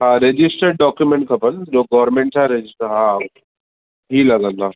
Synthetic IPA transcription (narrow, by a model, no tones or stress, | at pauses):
ɦãɾed͡ʑisʈəɾɖɖɔkjumeɳʈkʰapənd͡zoɡɔʋɾmeɳʈsaɾed͡ʑisʈəɾɦãokːe | ɦiːlaɡanːa